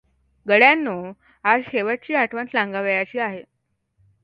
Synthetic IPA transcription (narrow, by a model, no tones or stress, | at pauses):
ɡəɽjanːo | ad͡zɕeʋəʈ̚t͡ɕiːaʈʰʋənt͡slãŋɡaʋəjat͡ɕiːaɦe